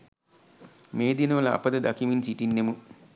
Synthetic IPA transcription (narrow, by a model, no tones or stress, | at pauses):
meːd̪inəʋəlɐa̰pəd̪əd̪akiminsiʈinːemu